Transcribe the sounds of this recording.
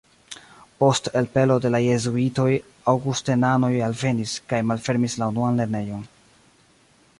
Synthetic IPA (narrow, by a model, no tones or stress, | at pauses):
po̞stelpe̞lo̞de̞laje̞zuito̞j | awɡustenano̞jalve̞niskajmalfe̞ɾmislaunuanle̞ɾne̞jo̞n